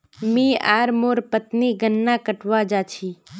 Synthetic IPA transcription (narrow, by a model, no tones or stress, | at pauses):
mĩːa̰ːɾmoːɾpət̪niɡənːaːkəʈʋaːd͡ʒaːt͡ʃʰiː